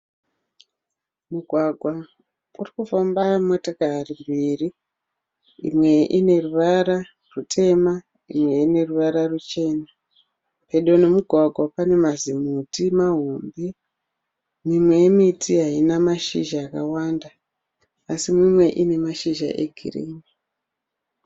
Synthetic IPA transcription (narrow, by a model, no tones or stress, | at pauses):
muɡʱwaɡʱwa | urikufambamotakaɦarimbiːri | ḭmwe̞ʔine̞ruʋaɾa | rutʰe̞ma | imwe̞ine̞ruʋaɾarut͡ʃe̞ːna | pe̞ɗone̞muɡʱwaɡʱwapane̞mazimutimaɦumbi | mimwe̞jemitʰiɦainamaʃiʒaːkawandaː | simimwe̞ʔine̞maʃiʒa̰ʔe̞̰ɡʱḭrḭːɲi